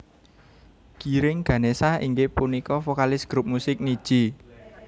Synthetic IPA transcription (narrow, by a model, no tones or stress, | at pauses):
kiɾɪŋɡ̥ä̤nesaḭŋɡepunikɔfokalɪsɡ̥ɾup̚musɪk̚nid̥ʒ̥i̤